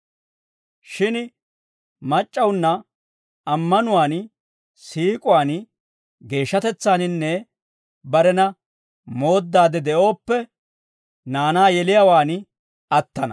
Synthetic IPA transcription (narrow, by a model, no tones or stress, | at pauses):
ʃɪn | mɐt͡ʃʼːɐwnːɐ | ɐmːɐnʊwaːn | siːkʼʊwaːn | ɡe̞ːʃːɐt̪ɛt͡sːaːnɪnːɛ | bɐɾɛnɐ | mo̞ːd̪ːaːd̪ɛd̪ɛʔo̞ːpːɛ | naːnaːjɛlɪjawaːn | ɐt̪ːɐnɐ̰